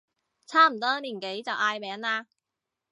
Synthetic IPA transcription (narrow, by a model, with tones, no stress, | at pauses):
t͡sʰaː˥m̩˨˩t̪ɔː˦˥liː˨˩nke˨˥jt͡sɐ˨wʔaː˧jmɛː˨˥ŋaː˧